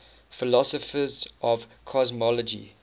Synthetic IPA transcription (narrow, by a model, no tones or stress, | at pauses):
fɪlɔsɔfəzʔɔvkʰɔzmɔləd͡ʒḭ